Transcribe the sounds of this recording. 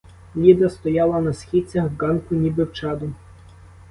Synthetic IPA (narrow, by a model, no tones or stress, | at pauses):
lʲid̪ɐst̪ɔjɑlˠɐnɐsxʲit͡sʲɐxɡɑnkʊnʲibɪwt͡ʃɑd̪ʊ